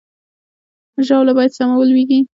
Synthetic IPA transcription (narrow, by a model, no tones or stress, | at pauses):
ʒɑwlabɑjad̪samawəlweɡi